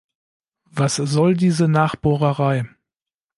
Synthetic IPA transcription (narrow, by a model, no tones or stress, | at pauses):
vaszɔldiːzənaːχb̥oːʁəʁaɪ